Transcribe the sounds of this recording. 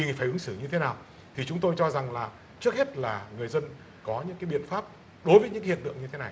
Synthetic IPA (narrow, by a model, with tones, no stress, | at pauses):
ɲi˨˩ŋfaː˧˩jʔɨ˨˦ŋsɨ˧˩ɲɨ˧t̪ʰe˨˦naː˨˩w | t̪ʰi˨˩t͡ɕʊ˨˦ŋ͡mt̪o˧jt͡ɕɔ˧za˨˩ŋlaː˨˩ | t͡ɕɨ˦˥ək̚he˦˥t̚laː˨˩ŋɨ˨˩əjzə˧n | kɔ˨˦ɲɨ̰˧˥ŋkaː˨˦jɓḭ˧˨ənfaː˦˥p̚ | ɗo˨˦jvəː˨˦jɲɨ̰˧˥kːhi˨˩ət̪ɨ̰˧˨əŋɲɨ˧t̪ʰe˨˦na˨˩j